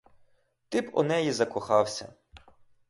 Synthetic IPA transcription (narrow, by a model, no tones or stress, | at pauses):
t̪ɪpɔ̰nɛjizɐkɔxɑwsʲɐ̰